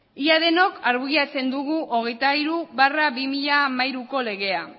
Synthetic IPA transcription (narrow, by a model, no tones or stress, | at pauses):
iað̞e̞no̞kaɾβuɣiat͡se̞nd̪uɣ̞uʔo̞ɣ̞e̞jt̪aiɾuβarabimiʎaːmajɾuko̞le̞ɣe̞a